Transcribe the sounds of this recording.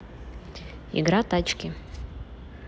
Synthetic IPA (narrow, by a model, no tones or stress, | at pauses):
ḭɡɾat̪at͡ʃkʲɪ